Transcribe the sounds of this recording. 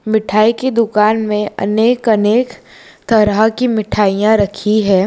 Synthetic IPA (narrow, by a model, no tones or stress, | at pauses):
mɪʈʰaːiked̪ʊkaːnmẽɐ̰neːkɐneːk | t̪ɐɾəkimɪʈʰaːijãɾɐkʰiɦɛː